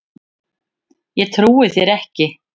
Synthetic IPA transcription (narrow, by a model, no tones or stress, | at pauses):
jɛt̪ʰɾuːɪθjɛɾɛhcɪ